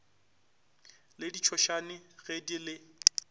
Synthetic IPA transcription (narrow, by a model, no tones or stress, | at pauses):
lɪdit͡ʃʰɔʃanɪɣedilɪ